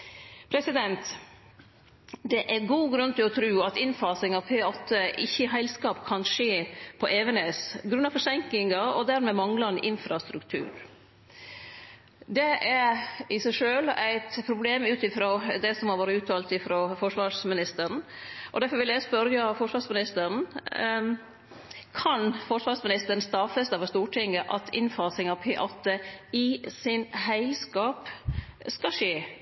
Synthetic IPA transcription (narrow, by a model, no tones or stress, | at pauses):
pʰɾɛsɪd̪ɛnt̪ | d̪ɛʔæɾɡuːɡɾʉnt̪ʰɪlɔt̪ʰɾʉːɑt̪ɪnfɑːsɪŋɑʋpʰeːɔt̪ʰːəʔɪçːəɪɦæɪlskɑːpkʰɑnʂeːpʰɔʔeːʋənɛsɡɾʉnːɑfɔʂɛŋklɪŋɑɔd̪æɾmɛmɑŋlɑɛnʔɪnfɾɑst̪ɾʉkt̪ʰʉ̰ːɾ | d̪ɛæɾɪsæɪʂøːlæɪt̪pʰɾʊbleːmʉːt̪ɪfɾoːd̪ɛsɔmhɑɾʋoːɾəʉːt̪ʰɑːlt̪ɪfɾoːfɔʂʋɑːʂmɪnɪst̪əɾn̩ʔɔd̪æfɔɾʋɪljæɪspœɾjɑfɔʂʋɑːʂmɪnɪst̪əɾn̩ | kʰɑnfɔʂʋɑːsmɪnɪst̪ən̩st̪ɑfːəsd̪ɑːʋəst̪uːʈʰɪŋːəʔɑt̪ʰɪ̰nfɑːsɪŋɑpʰeːʔɑt̪ːəɪsɪnɦæɪskɑːpskɑʂeː